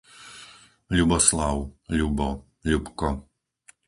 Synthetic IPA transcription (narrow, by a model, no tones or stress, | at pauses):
lʲubɔslˠawlʲubɔ | lʲupkɔ